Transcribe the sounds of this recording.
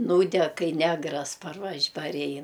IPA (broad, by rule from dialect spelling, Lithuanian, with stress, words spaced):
ˈnuːdʲɛk ˈkɐɪ ˈnʲæːɡrɐs pɐrˈʋɐʃ pɐrʲˈɛɪn